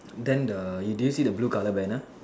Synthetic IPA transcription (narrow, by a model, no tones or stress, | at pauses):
dɛ̃ndəjudujusidəblukaləbɛ̃na